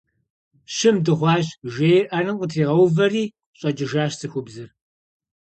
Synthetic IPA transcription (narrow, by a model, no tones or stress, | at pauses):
ɕɪmdɨʁʷɑːʑʒeːjʔɐnɨqʷʼʊtʰiːʁɐwvɐriː | ɕʼɐd͡ʒɪʒaːɕsɨxʷʊbzɨr